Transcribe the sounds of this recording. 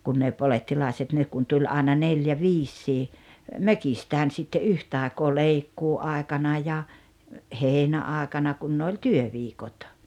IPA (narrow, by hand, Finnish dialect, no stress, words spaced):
kun ne poletːilɑˑeset nek kun tulʲ ɑˑenɑ neljæ ʋiːsːiː møkistæːn sitːe ʔyhtɑˑekoː leikːuːɑˑekɑnɑ jɑ heinæɑˑekɑnɑ kun ne olʲ tyøʋiːkot